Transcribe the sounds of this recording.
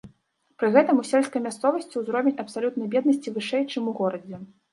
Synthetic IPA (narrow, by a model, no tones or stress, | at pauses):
pɾɨɣɛt̪ɐmusʲɛlʲskɐjmʲast̪sɔvɐsʲt͡sʲiwzɾɔvʲenʲɐpsalʲut̪̚nɐjbʲɛd̪̚nɐsʲt͡sʲivɨʂɛjt͡ʂɨmuɣɔɾɐd͡zʲɛ